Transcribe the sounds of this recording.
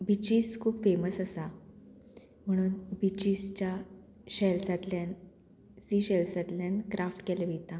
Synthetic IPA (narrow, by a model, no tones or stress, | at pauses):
bit͡ɕiskʰuːbfeməsəsa | m̤əɽ̃uːnbit͡ɕist͡ɕja | ɕɛlsat̪ljan | siɕɛlsat̪ljankɾʔafʈkɛləʋet̪a